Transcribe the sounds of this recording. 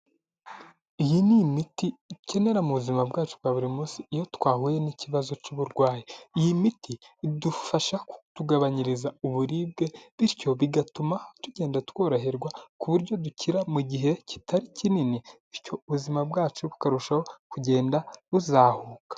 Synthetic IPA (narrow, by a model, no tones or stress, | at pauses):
ijinimitice̞ne̞ɾamuβuzimabɡaːt͡ʃub̚ɡaːβuɾimusiːjo̞twaːhujeniciβazo̞cuβuɾɡwaːjiijimitidufaʃaku̥tuɡaβaɲiɾizauβuɾiːb̚ɡe̞βiɾco̞βiɡatumahtuɟe̞ːndatwo̞ːɾoɦiɾɡwakuβuɾɟo̞duciɾamuɟiɦe̞ci̥tʰaɾicininiiɾco̞uβuzimabɡaːt͡ʃuβu̥kaɾuʃaho̞kuɟe̞ːndaβuzaːhuːkḁ